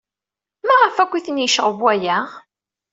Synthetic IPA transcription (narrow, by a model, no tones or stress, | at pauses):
maʁəfækʷːiθənjəʃəʁəvwæjæ